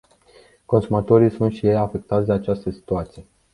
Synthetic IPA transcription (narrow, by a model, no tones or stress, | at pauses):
ko̞nsumat̪o̞ɾijsunt̪ʃije̞jafe̞k̚t̪at̪sʲd̪eat͡ʃast̪əsi̥t̪uat̪sije̞